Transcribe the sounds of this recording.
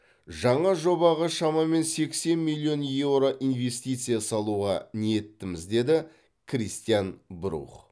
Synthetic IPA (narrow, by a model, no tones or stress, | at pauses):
ʒɑɴɑʒo̞bɑʁɑʃɑmɑme̞nse̞kse̞nmilʲˠio̞nje̞vɾo̞ʔinve̞st̪ijt̪sɨjasɑlˠuʁɑ̰nije̞t̪ːɪmɪzd̪e̞d̪ɪ | kʰrʲist̪ijanbʊɾṵχ